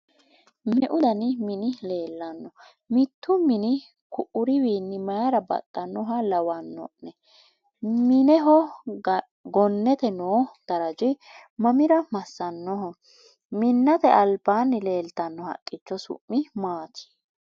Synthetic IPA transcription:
mɛʔʊd̪ɐnmɪnɪle̞ːlːɐnːɔ | mɪt̪ːʊmɪnɪ | kʊʔʊɾɪwiːnːɪmɐjɐɾɐbɐ̰t̪ʼːɐnːɔɦɐlɐwɐnːɔ̰ʔnɛ | mɪnɛɦɔ | ɡɔnːɛt̪ɛnoːd̪̥ɐɾɐd͡ʒɪmɐmɪɾɐmɐsːɐnːɔɦɔ | mɪnːɐt̪ɛʔɐlbaːnːɪle̞ːlt̪ɐnːɔhɐ̰kʼːɪt͡ʃːɔsʊ̰ʔːɪmaːt̪ʰɪ̥

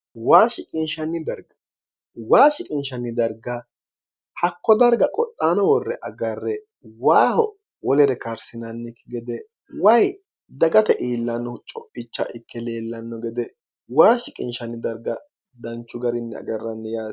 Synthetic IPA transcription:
waːʃɪkʼɪnʃɐnːɪd̪ɐɾɡɐ̥ | waːʃɪkʼɪnʃɐnːɪd̪ɐɾɡɐ | hɐkːɔd̪ɐɾɡɐkʼɔɗʼaːnɔwɔrːɛʔɐɡɐrːɛ | waːhɔ | wɔlɛɾɛkɐɾsɪnɐnːɪkːɪɡɛd̪ɛ | wɐj | d̪ɐɡɐt̪ɛʔiːlːɐnːɔt͡ʃʼɔpʼːɪt͡ʃːɐ̰ʔɪkːɛleːlːɐnːɔɡɛd̪ɛ | waːʃɪkʼɪnʃɐnːɪd̪ɐɾɡɐ | d̪ɐnt͡ʃːʊɡɐɾɪnːɛɐ̰ɡɐrːɐnːɛjaː

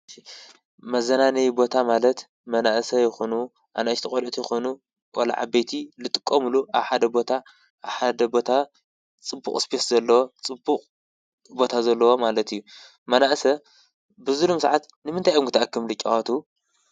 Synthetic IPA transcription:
mɐzɐnanɐjbo̞t̪ʰamalɐt̪ | mɐnaʔsɐjɪxonu | ʔa̰najt̪ʰɨkʼolʔt̪ʰjɪxonu | wa̰la̰ʕa̰bet̪ʰilɨt̪ʼɨkʼːɐmuluʔaβħad̪ɐbo̞t̪ʰa | ʔːβħad̪ɐbo̞t̪ʰa | t͡sʼɨbːṵχʼɨsbeszɐlːɐwo̞t͡sʼɨbuqʼ | bo̞t̪ʰazɐlːɐwomalɐt̪ijːu | mɐnaʔsɐ | bɨzulumsaʕat̪ | nɨmɨnt̪ʰajomkɨt̪ʰɐʔakʰːɨmlɨkʲʼːɐwat̪ʰu

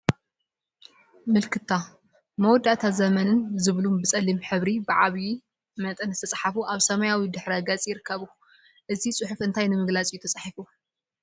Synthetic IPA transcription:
mɨlkʰɨt̪ʰːa | mɐwɔd̪ːat̪ʰazɐmɐnɨnzɨβlumbɨt͡sʼɐlːimħɨβɾibɨʕa̰βji | mɐt̪ʼɨnɨst̪ʰɐt͡sʼħafuʔaβsɐmɐjawid̪ɨħɾɐɡɐt͡sʼjɪɾɨkʰːɐβu | ʔɨzisʼɨħufɨnt̪ʰajnɨmɨɡlat͡sʼijut̪ʰɐt͡sʼaħifu

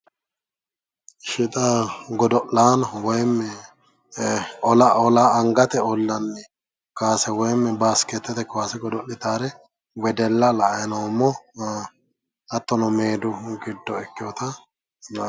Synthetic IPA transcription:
ʃɪt̪ʼaɡɔd̪ɔʔlaːnɐwɔjmːɛ | ɔlaɔlaɐŋɡɐt̪ɛɔlːɐnːɪ | kaːsɛwɔjmːɛbaːskɛt̪ːɛt̪ɛkaːsɛɡɔd̪ɔʔɪt̪aːɾɛ | wɛd̪ɛlːɐlɐʔɐnomːɔ | ɐt̪ːɔnɔmeːd̪ʊɡɪd̪ːɔɛkːɪjɔt̪ɐ

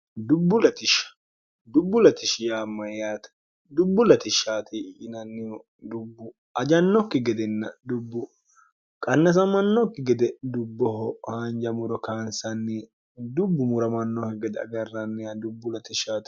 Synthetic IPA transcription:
d̪ʊbːʊlɐt̪ɪʃɐ̥ | d̪ʊbːʊlɐt̪ɪʃɪjaːmːɐjaːt̪ɐ̥ | d̪ʊbːʊlɐt̪ɪʃaːt̪ɪʔɪnɐnːɪjɔ | d̪ʊbːʊ | ɐd͡ʒɐnːɔkːɪɡɛd̪ɛnːɐd̪ʊbːʊ | kʼɐnːɐs̬ɐmɐnːɔkːɪɡɛd̪ɛd̪ʊbːɔɦɔhɐnd͡ʒɐmʊɾɔkaːnsɐnːɛ | d̪ʊbːʊmʊɾɐmɐnːɔhɛɡɛd̪ɛɐ̰ɡɐrːɐnːɛɐd̪ʊbːʊlɐt̪ɪʃaːt̪

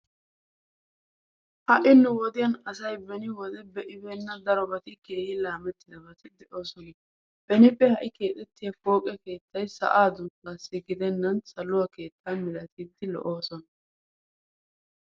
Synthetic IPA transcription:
hɐʔɪnːʊwɔd̪ɪjɐnɐsɐjbɛnɪwɔd̪ɛbɛʔɪbe̞ːnːɐd̪ɐɾɔbɐt̪ɪke̞ːhɪlaːmɛt̪ːɪd̪ɐbɐt̪ɪd̪ɛʔo̞ːsɔnɐ | b̥ɛnɪpʼːɛhɐʔɪke̞ːt̪ʼɛt̪ːɪjɐfo̞ːkʼɐke̞ːt̪ːɐjsɐ̰ʔaːd̪ʊnkɐsːɪɡɪd̪ɛnːɐnsɐlʊwɐke̞ːt̪ʰːamɪlɐt̪iːd̪ːɪlɔ̰ʔo̞ːsɔnɐ

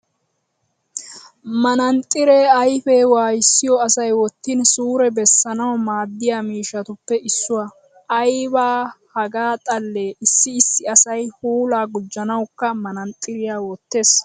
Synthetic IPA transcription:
mɐnɐnt̪ʼːɪɾeːɐjfewaːjɪsːɪjɔɐsɐjwɔt̪ːɪnsuːɾɛbɛsːɐnɐwmaːd̪ːɪjaːmiːʃɐt̪ʊpːɛʔɪsːʊwa | ɐjbaːhɐɡaːt̪ʼɐlːeːɪsːɪɪsːɪɐsɐjhuːlaːɡʊd͡ʒːɐnɐwkːɐmɐnɐnt̪ʼːɪɾɪjaːwɔt̪ːe̞ːs

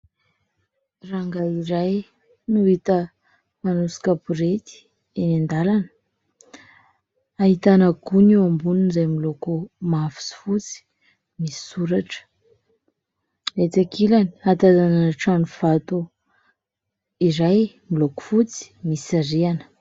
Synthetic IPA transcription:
raŋɡaiɾaj | nuit̪ə | manusi̥kapuɾet̪i̥ | enand̪alanə̥ | aɦit̪anəɡuniambununizajmilokumafi̥si̥fut͡si̥ | misi̥suɾaʈ͡ʂə̥ | et͡s̪akʰilani̥at̪azanaʈ͡ʂanuv̥at̪u | iɾaj | miloku̥fut͡si̥misaɾianə̥

